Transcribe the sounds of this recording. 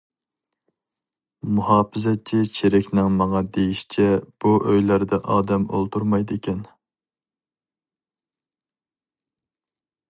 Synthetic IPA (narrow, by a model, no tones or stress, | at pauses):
muhɑːpɨzɛt̚t͡ʃʰit͡ʃʰeɾɪkʲnɪŋmɑŋɑd̪ejiʃi̥t͡ʃʰɛb̥uʔøjlæɾd̪ɛʔɑːd̪ɛmo̰lˠt̪ʰuɾmɑjd̪ekʲʰɛn